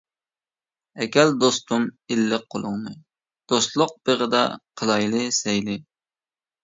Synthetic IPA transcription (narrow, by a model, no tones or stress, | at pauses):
ɛkʲɛld̪ost̪umilːɨqqʰːolˠʊŋnɨ | d̪̥ost̪lˠʊq̚b̥eʁəd̪ɑ̰qʰəlˠɑjlˠɨsɛjlɪ